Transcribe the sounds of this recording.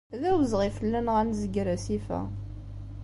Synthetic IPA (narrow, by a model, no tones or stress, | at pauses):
ðæwəzʁifəlːænʁænzəɡɾæsifæ̰